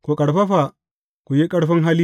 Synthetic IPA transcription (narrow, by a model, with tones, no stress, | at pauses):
ko˨kʼɐ˨ɾɸa˦ɸa˨ | ku˨ji˦kʼɐ˦ɾɸɐ˦ŋɦa˦li˦